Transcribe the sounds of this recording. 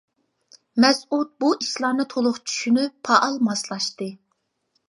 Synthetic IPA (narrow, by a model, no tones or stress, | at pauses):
mɛsut̪̚buʔiʃlˠɑnɨt̪ʰolˠʊχt͡ʃʰy̥ʃynypʰːɑʔɑlˠmɑslˠɑʃt̪ɨ